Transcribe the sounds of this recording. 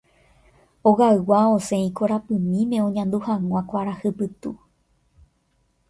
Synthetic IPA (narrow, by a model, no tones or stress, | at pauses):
oɣaɨwaosẽ̞ĩkoɾapɨ̃mĩmẽ̞õ̞ɲãnd̪uhãŋʷãkʷaɾahɨpɨt̪u